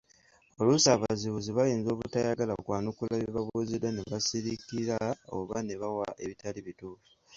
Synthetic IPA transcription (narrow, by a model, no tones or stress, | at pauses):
o̞lusaːβaziβuziβajeːnzo̞ːβutajaɡalao̰kwaːnukulaβiβaβuzidːaneβasiɾikiɾao̰βane̞βawaʔe̞βitaliβituːfu̥